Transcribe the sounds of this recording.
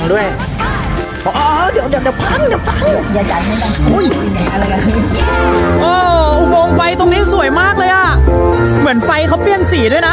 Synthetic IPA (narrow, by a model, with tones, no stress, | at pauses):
du˥˩əj | ɔ˨˧ʔɔ˧˦˥dɯ˧˩˦wdɯ˧˩˦wdɯ˨˩˦pʰa˧˥ŋdɯ˩wpʰa˧˥ŋ˧˩jaː˧˩t͡ɕa˨˩mɯ˥˨nka˧˩nu˧˥˩ja˨˧˩ʔa˧ɾa˧jka˧n˧ | ʔɔː˧˩˧wo˧ŋfa˧jt̪o˧ŋniː˦˥su˨˩˦əjmaː˥˩k̚lɤː˧jʔa˨˩ | mɯ˩˦ənfa˧jkʰa˦˥wpi˥˩əŋsiː˨˩˦du˥˩jna˦˥